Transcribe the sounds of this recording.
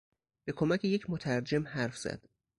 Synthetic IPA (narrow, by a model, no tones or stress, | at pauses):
b̥e̞kʰo̞mæcʰeje̞cʰmot̪ʰæɾd͡ʒe̞mhæɾfz̥æ̰d̪̥